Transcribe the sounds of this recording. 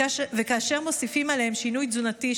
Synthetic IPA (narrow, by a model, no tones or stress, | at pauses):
vekaːʃe̞ʁmo̞sifimalehemʃinujzunati